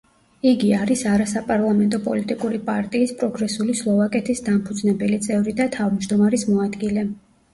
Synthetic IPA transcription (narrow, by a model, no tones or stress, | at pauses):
iɡiaɾisaɾasapʼaɾlˠamɛnt̪ʼɔpʼɔ̰lit̪ʼikʼuɾipʼaɾt̪ʼiːspʼɾɔɡɾɛsulislˠɔvakʼɛt̪ʰisd̪ampʰud̪znɛbɛlit̪sʼɛvɾid̪at̪ʰavmd͡ʒd̪ɔmaɾismɔad̪ɡilɛ